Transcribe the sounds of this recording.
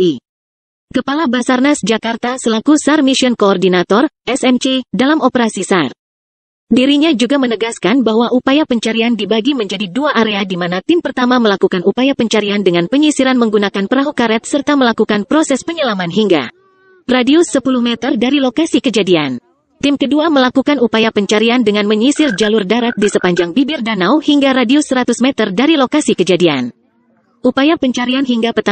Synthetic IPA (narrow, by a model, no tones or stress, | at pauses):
i | kəpalabasarnasd͡ʒakart̪asəlakusarmisiɔnkoːrdinat̪ɔrʔɛsɛmt͡ʃedalamɔpəɾasisar | diɾiɲad͡ʒuɡamənəɡaskanbahwaʔupajapəɲt͡ʃaɾiandibaɡiməɲd͡ʒadiduaʔaɾeadimanat̪ɪmpərt̪amaməlakukanupajapəɲt͡ʃaɾiandəŋanpəɲisiɾanməŋɡunakanpəɾaɦukaɾɛt̪̚sərt̪aməlakukanpɾɔsɛspəɲəlamanɦiŋɡa̰ | radiusəpuluhmɛt̪ərdaɾilokasikəd͡ʒadian | t̪ɪmkəduaməlakukanupajapəɲt͡ʃaɾiandəŋanməɲisɪrd͡ʒalʊrdaɾat̪̚disəpaɲd͡ʒaŋbibɪrdanawhiŋɡaɾadiusəɾat̪usmɛt̪ərdaɾilokasikəd͡ʒadian | ʔupajapəɲt͡ʃaɾianɦiŋɡapət̪a